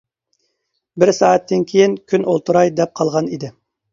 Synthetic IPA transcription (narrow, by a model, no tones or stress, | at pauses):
bɪɾsɑːɛt̪ʰːɪnkʲʰejinkʲʰynolˠt̪ʰuɾɑjd̪ɛp̚qʰɑlˠʁɑnid̪ɪ